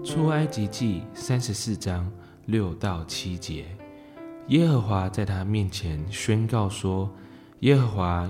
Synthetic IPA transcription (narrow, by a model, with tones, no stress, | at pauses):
t͡sʰu˥˦a˦˥ɪt͡ɕi˨˦t͡ɕi˥˨sa˦nʂɻ̩˨˦sɹ̩˥˩ʈ͡ʂɑ˦ŋ | ljo˥˨ʊt̪ɑ˥˩ʊt͡ɕʰi˦t͡ɕjɛ˨˦ | jɛ˦xɤ˧˦xwa˨˦t͡sa˥˩ɪt̪ʰa˦mjɛ˥˨nt͡ɕʰjɛ˨˦nɕɥɛ˦nkɑ˥˨ʊswɔ˥ | jɛ˦xɤ˧˥xwa˨˦